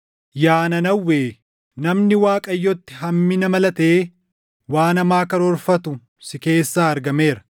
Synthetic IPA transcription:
jaːnɐnɐwːeː | nɐmnɪwaːkʼɐjːɔt̪ːɪ̥ɦɐmːɪnɐmɐlɐt̪eː | waːnɐmaːkɐɾɔɾfɐt̪ʊ | sɪke̞ːsːaːɐɾɡɐme̞ːɾɐ̥

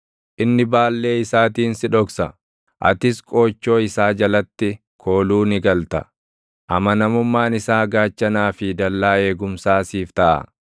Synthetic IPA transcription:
ʔɪnːɪbaːlːe̞ːɪsaːt̪̬iːnsɪᶑɔksɐ | ʔɐ̰t̪ɪskʼo̞ːt͡ʃːo̞ːɪsaːd͡ʒɐlɐt̪ːɪ | kʰo̞ːluːnɪɡɐlt̪ɐ̰ | ʔɐmɐnɐmʊmːaːnɪsaːɡaːt͡ʃːɐnaːfɪd̪ɐlːaːe̞ːɡʊmsaːsiːft̪ɐʔɐ̰

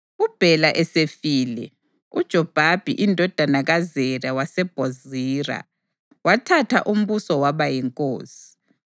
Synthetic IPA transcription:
ub̥ʱɛlaʔɛsefiːlɛ | ud̥ʒ̥ʱɔb̥ʱab̥ʱḭʔindʱɔd̥ʱanaɣazɛrawasɛb̥ʱoziːra̰ | watʰatʰaʔum̩βusɔwaβajɛŋkʼo̰ːsi̥

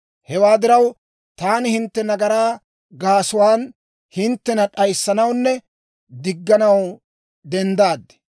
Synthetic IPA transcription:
hɛwaːd̪ɪɾɐw | t̪aːnɪhɪnt̪ːɛnɐɡɐɾaː | ɡaːsʊwaːn | hɪnt̪ːɛnɐɗɐjsːɐnɐwnːɛ | d̪ɪɡːɐnɐw | d̪ɛnd̪aːd̪ːɛ̥

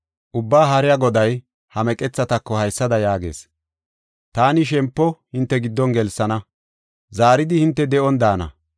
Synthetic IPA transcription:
ʔʊbːaːɦɐɾɪjaɡɔd̪ɐj | hɐmɛkʼɛt͡sːɐt̪ɐkːɔhɐjsːɐd̪ɐjaːɡe̞̰ːs | t̪aːnɪʃ̬ɛmpːɔhɪnt̪ːɛɡɪd̪ːɔnɡɛlsːɐnɐ | zaːɾɪd̪ɪhɪnt̪ːɛd̪ɛʔɔnd̪aːnɐ̰

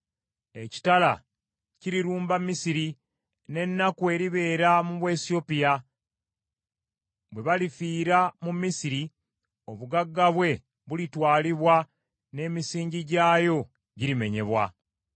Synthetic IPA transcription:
e̞ci̥tala | ciɾiɾuːmbamːisiɾi | ne̞nːakue̞ɾiβe̞ːɾamuβwe̞sio̞pija | βwe̞βalifiːɾamumːisiɾi | o̞βuɡaɡːaβwe̞ | βulitwaːliβwa | ne̞ːmisiːɲɟiɟaːjo̞ | ɟiɾime̞ɲe̞̰βwa̰

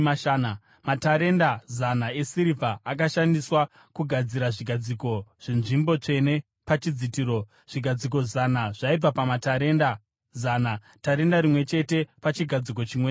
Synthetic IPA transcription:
aana | mataɾe̞ndazanae̞siɾivʱaʔːk̬aʃandiswa | kuɡʱad͡ziɾaʐiɡʱad͡ziko̞ʐ̥inʐimbo̞t͡ʂe̞ne̞ | pat͡ʃid͡zitiːɾo | ʐ̥iɡʱad͡zik̬o̞zanaʐ̥aib͡vapamataɾenda | zaːna | taɾe̞ndaɾimwe̞t͡ʃe̞te̞pat͡ʃiɡʱad͡zik̬o̞t͡ʃimweː

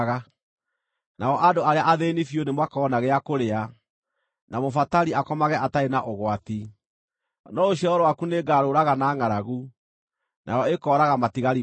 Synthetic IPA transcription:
ɣa | naɔʔadoaɾeaʔaðenifjonemwakɔːnaɣɛakoɾea | namofataɾiakɔmaɣɛʔataenaʔoɣwati | nɔoɕjɔɔɾwakuneɡaːɾoɾaɣanaːŋaɾaɣu | nʔa̰ɾɔekɔːɾaɣamatiɣaɾi

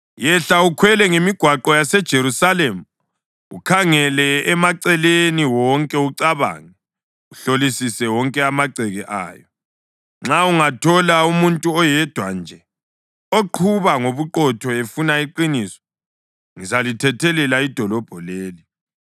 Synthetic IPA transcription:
jɛɬaukʰwɛlɛŋemiɡ̥ʱwaǃɔjasɛd̥ʒ̥ʱeɾusalemu | ṵkʰaŋɛlɛːmaǀɛleniwɔŋkʼɛuǀaβa̰ːŋɛ | uɬolisisɛwɔŋkʼɛamaǀʱɛɣɛʔa̰ːjɔ | ŋ͡ǁauŋatʰɔlaumuntʼuɔjɛd̥ʱwa̰nd͡ʒʱɛ | oǃʰuβaŋoβuǃɔtʰɔefunaiǃinisɔ̥ | ŋizalitʰɛtʰɛlɛlaid̥ʱɔlɔb̥ʱɔleːli

